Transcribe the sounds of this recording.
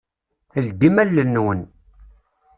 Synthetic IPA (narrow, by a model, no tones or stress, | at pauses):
θəld̪imælːənːwən